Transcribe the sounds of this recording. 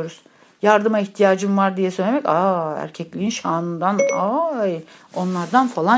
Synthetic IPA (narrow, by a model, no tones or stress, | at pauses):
oɾuz̥ | jaɾd̪ɯmaiçt̪ʰijaːd͡ʒɯmvaɾd̪ijɛsø̞jlʲemɛcaæ̰ɾcʰɛclʲiinʃaːnɯnd̪anaj | o̞nlˠaɾd̪anfalˠa